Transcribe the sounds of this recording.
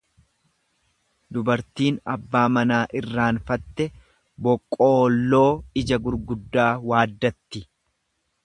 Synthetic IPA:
d̪ʊbɐɾt̪iːnɐbːaːmɐnaːʔɪrːaːnfɐt̪ːɛ | bɔkʼːo̞ːlːo̞ːɪd͡ʒɐɡʊɾɡʊd̪ːaːwaːd̪ːɐt̪ːɪ

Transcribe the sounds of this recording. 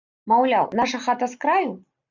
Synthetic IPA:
mawlʲawnaʂɐxat̪ɐskɾaju

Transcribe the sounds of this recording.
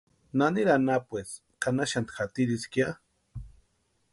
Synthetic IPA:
naniɾanapwes | kanaʃant̪xat̪iɾiskja

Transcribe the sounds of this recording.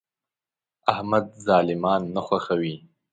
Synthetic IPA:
ahmad̪̚zɑːlɪmɑnːaxwaxawi

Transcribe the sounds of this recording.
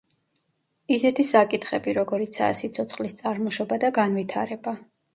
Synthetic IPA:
isɛt̪ʰisakʼit̪ʰχɛbiɾɔɡɔɾit̪sʰa̰ːsit̪sʰɔt̪sʰχʼlist̪sʼaɾmɔʃɔbad̪aɡanvit̪ʰaɾɛba

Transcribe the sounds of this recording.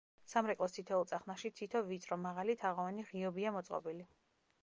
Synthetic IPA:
samɾɛkʼlˠɔst̪ʰit̪ʰɔulˠt̪sʼaχnaʃit̪ʰit̪ʰɔvit̪sʼɾɔmaʁalit̪ʰaʁɔaniʁiɔbiamɔt̪sʼqʼɔ̰bili

